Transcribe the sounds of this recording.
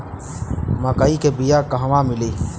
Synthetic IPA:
maːkaːikebijaːkaɦʋãːmɪleː

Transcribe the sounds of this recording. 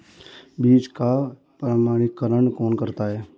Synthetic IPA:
biːt͡ʃka | pɾəmaːɽ̃ɪkːəɾəɳkɔːnkəɾt̪aɦɛː

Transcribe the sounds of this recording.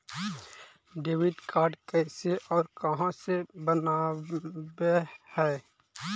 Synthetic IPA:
ɖeːwɪɖkaːɾɖkɛːseʔɔːɾkɐɦãsebəna | behɛː

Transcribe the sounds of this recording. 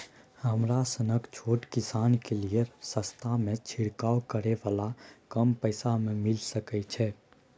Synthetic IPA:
həmɾasənəkt͡ʃʰoːʈkisaːnkeliəsəst̪ʰamẽt͡ʃʰiɽkaːwkəɾɛʋalakəmpəɪsamẽmilsəkɛt͡ʃʰɛ

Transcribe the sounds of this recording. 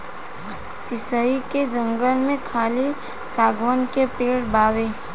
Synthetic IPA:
sɪsəiked͡ʒə̃ŋɡəlmẽkʰaːli | saːɡʋənkepɪɾɽbaːweː

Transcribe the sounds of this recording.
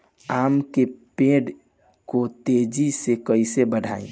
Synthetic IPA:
amkepẽɖ | kot̪ed͡ʒisekəɪsebəɽʱa̰ːĩ

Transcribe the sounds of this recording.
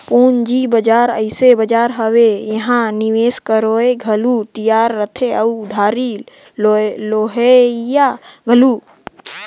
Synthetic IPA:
poːnd͡ʒibəd͡ʒaːɾəɪsebəd͡ʒaːɾɦəwejəɦãniʋeːskəɾoeɡʱəlut̪ijaːɾːət̪ʰeəud̪ʱaːɾi | loloːɦejaɡʱəlu

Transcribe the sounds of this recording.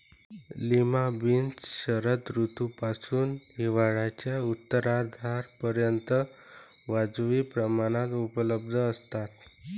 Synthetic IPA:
limabint͡sɕəɾət̪ɾut̪upasuːnɦiʋaɭat͡ɕjaut̪ːəɾad̪ʱaɾpəɾjənt̪əʋad͡zʋiːpɾəmaɽ̃at̪upələb̚d̪ʱəːst̪at̪

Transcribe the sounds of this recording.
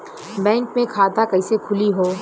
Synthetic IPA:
bɛ̃ːŋkmẽkʰaːt̪akɐɪsekʰʊliɦoː

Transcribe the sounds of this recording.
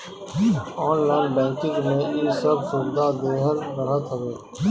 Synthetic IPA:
ɔːnlaːɪnbɛ̃ːkɪ̃ŋɡmẽiːsəbsʊɾd̪ad̪eːɦəɾɾəɦət̪ɦəʋeː

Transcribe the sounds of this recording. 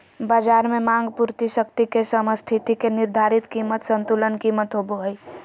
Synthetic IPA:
baːd͡ʒaːɾmẽmãŋɡpuɾt̪iʃəkt̪ikesəməst̪ʰit̪ikenɪɾd̪ʱaːɾɪt̪kiːmət̪sə̃nt̪ulənkiːmət̪ɦoboɦəi

